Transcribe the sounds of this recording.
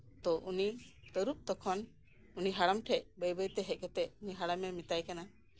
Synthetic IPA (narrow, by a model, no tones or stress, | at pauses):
t̪ɔʔunit̪əɾup̚t̪ɔkʰɔn | uniɦaɽamʈʰɛc̚bəjbəjt̪ɛɦɛʔ̚ˀkɛt̪ɛʔuniɦaɽamɛmit̪ajkana